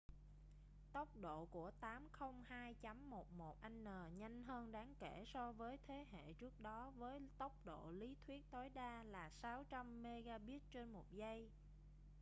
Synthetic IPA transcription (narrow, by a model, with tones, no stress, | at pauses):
t̪ə˦˥wk͡p̚ɗo̰˧˨ku˧˩ət̪aː˨˦mxə˧wŋ͡mhaː˧jt͡ɕa˨˦mːo˨˩t̚mo˨˩t̚ʔa˧ŋ̟nəː˨˩ɲa˧jŋ̟ɦəː˧nɗaː˨˦ŋke˧˩sɔ˧vəː˨˦jt̪ʰe˨˦ɦḛ˧˨t͡ɕɨ˦˥ək̚ɗɔ˨˦vəː˨˦jt̪ə˦˥wk͡p̚ɗo̰˧˨li˨˦t̪ʰwi˦˥ət̚t̪o˨˦jɗaː˧laː˨˩saː˨˦wt͡ɕa˧mːe˧ɣaː˧ɓi˦˥t̚t͡ɕe˧nmo˨˩t̚zə˧j